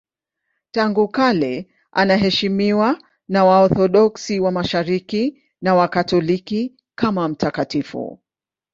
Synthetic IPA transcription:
taŋɡukalɛ | ʔa̰naɦɛʃimiwa | nawaɔθɔɗɔksiwamaʃaɾiki | nawakatɔliki | kamam̩takatifṵ

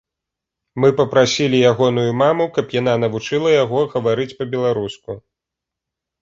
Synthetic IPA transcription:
mɨpɐpɾasʲilʲijaɣɔnujumamukɐpjan̪an̪ɐvut͡ʂɨlˠɐjaɣɔɣɐvaɾɨt͡sʲpɐbʲɛlˠaɾusku

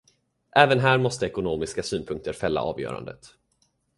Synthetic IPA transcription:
ʔɛːvənɦæːɾmɔst̪əɛkʊnoːmɪskasyːnpʰɵŋk̚t̪əɾfɛlːa̰ʔɑːvjœ̰ːɾa̰nd̪ət̪

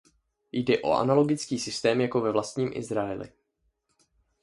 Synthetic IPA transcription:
jdɛʔo̞̰ʔa̰nalo̞ɡɪt͡skiːsɪst̪ɛːmjako̞vɛvlast̪ɲiːmʔɪ̰zɾaɛlɪ̰

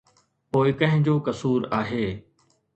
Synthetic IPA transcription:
poːɪkə̃ɦɪ̃d͡ʑoːkəsuːɾaːɦeː

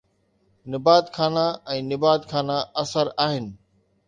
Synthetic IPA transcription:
nɪbaːt̪kʰaːnaɛ̃ːnɪbaːt̪kʰaːnaɐsəɾaːɦɪnɪ̆

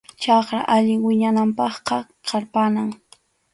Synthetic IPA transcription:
t͡ʃɑχɾa̰ʔaʎɪŋwɪɲanampɑχqɑ | qʰɑɾpanaŋ

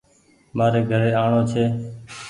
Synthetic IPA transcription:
maːɾeːɡʱəɾeːaːɳoːt͡ʃʰeː

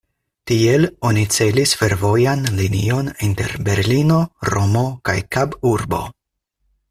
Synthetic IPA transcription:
tie̞lo̞nit͡se̞lisfe̞ɾvo̞janlinio̞ninte̞ɾbe̞ɾlino̞ɾo̞mo̞kajkabuɾbo̞̰

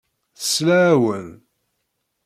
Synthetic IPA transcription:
θslæwən

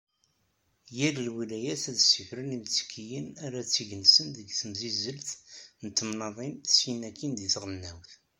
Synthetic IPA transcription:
jæləlwilæjæθæðsifɾənimt͡sːə̥kʰːijənæɾæt͡sːiʝənsənðəɡθəmzizəlθnət̪ːəmnɑðˤint̪ə̥sinækʰːind̪iθʁənːæwθ

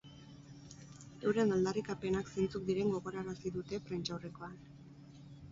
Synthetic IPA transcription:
ewɾe̞nald̪arikape̞nakse̞nt͡suk̚d̪iɾe̞ŋɡo̞ɣ̞o̞ɾaeɾasiðut̪e̞pɾent͡ʃawre̞ko̞an

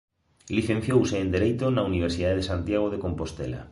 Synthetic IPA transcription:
liθẽn̟θjowseːnd̪eɾejt̪onauniβ̞eɾsiðaðeðesant̪jaɣ̞oðekompost̪ḛla̰

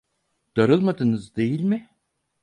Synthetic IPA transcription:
d̪̥aɾɯlˠmad̪ɯnɯzd̪e̞jilʲmɪ

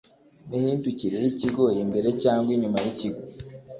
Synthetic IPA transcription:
nehintuciɾeɾiciɡo̞jimbe̞ɾe̞caːŋɡwiɲumajiciɡo

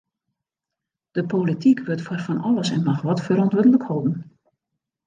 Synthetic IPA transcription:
d̥əpolitikʋøtfɔrfɔnɔlˠəsɛ̰nmaxʋɔtfəɾɔntʋɪdəlˠəkhɔlˠdn̩

